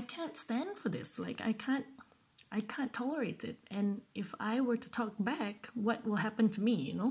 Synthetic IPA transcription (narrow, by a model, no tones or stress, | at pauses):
aɪkʰæ̃ntstæ̃nd̥fə˞ðɪ̰slaɪka̰ɪkʰæ̃nt̚ | ʔaɪkʰæ̃ntʰɑlˠə˞eɪɾɪ̰t̚ɨ̃nʔɪfaɪwə˞ɾʰətʰɔk̚b̥ækwʌt̚wɪlˠɦæpɨ̃n̩tʰəmijɨ̰noʊ